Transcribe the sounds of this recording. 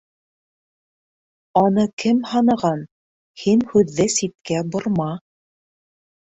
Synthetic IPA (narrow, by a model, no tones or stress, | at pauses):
ɑnɤkɘmhɑnɤ̆ʁɑn | hinhʉðːɘsit̪̚kæbŏɾmɑ